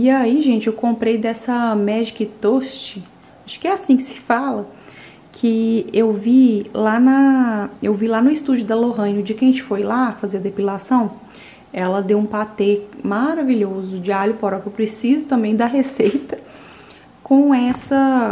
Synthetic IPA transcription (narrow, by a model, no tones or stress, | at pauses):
iaiʒẽnt͡ʃɪewkõmpɾejd̪ɛsɐmɛd͡ʒikɪt̪ost͡ʃɪ | aʃʊ̥kɪɛasĩkɪ̥sɪ̥falɐ | kʰɪewvilanɐewvilanʊɪst̪ud͡ʒʊd̪ɐloɦɐ̃ɲʊd͡ʒɪkɐ̃ʒẽt͡ʃɪ̥fojlafazeɾɐd̪epilasɐ̃w̃ | ɛlɐd̪ewũpat̪emaɾaviʎozʊd͡ʒɪalʊpoɾɔkewpɾesizʊt̪ɐ̃mbẽj̃d̪ɐɦesejt̪ɐ | kõɛsɐ